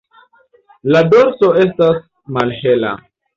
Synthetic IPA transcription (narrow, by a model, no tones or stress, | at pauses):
lado̞ɾso̞e̞s̬tas | malhela̰